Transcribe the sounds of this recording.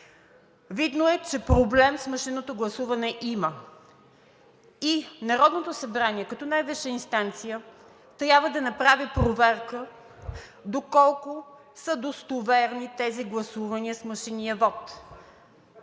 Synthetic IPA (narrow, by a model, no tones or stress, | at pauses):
vid̪noɛt͡ʃɛpɾoblɛmsməʃinːot̪oɡlˠɐsuvɐnɛʔimə | inɐɾɔd̪not̪osɐbɾaniɛkɐt̪ɔnajvɛʃɛinst̪ant̪sijə | t̪ɾʲjabvəd̪ɐnɐpɾavipɾovɛɾkə | d̪okɔlˠkʊ | səd̪ost̪ovɛɾnit̪ɛziɡlˠɐsuvɐniəsməʃiniəvɔt̪